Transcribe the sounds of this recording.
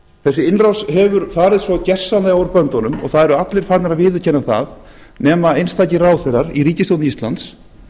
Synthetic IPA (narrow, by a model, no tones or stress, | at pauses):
θɛsːɪɪnrawsɦɛvʏɾfaːɾɪðsvɔcɛr̥sːanlaawɾpœnt̪ɔnʏmɔ̰ɣθaðɛɾʏat̪lɪɾ̥fat̪naɾaðvɪːðʏ̥cʰɛnːaθa̰ð | nɛːmaejnst̪aːjcɪraːwθɛɾaɾiriːcɪst̪ownist̪lant̪s